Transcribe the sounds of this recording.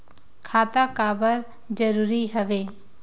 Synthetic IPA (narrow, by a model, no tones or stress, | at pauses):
kʰaːt̪akaːbəɾ | d͡ʒəɾuːɾiɦəʋeː